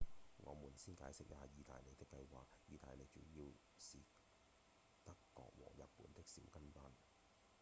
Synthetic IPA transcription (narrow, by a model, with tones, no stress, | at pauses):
ŋɔ̰ː˨˧muː˨˩nsiː˥nkaː˨˥jsɪ˥k̚jaː˨˧jiː˧t̪aː˨jne˨˧jt̪ɪ˥kːɐ˧jwa̰ː˨k̚jiː˨˧t̪aː˨jne˨˧jt͡ʃyː˨˥jiː˧w | siː˨ | t̪ɐ˥kːɔ̰ː˨k̚wɔ̰ː˨˩ŋjɐ˨t̚pːuː˨˥nt̪ɪ˥k̚sḭ˨˥wkɐ˥nfaː˥n